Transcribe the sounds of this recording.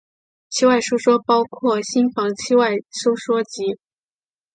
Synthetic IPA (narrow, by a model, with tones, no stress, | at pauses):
t͡ɕʰi˥wa˥˩ɪʂu˥ʊʂwɔ˥pɑ˥ʊkʰwɔ˥˩ɕi˥nfɑ˧˥ŋt͡ɕʰi˥wa˥˩ɪʂu˥ʊʂwɔ˥t͡ɕi˧˥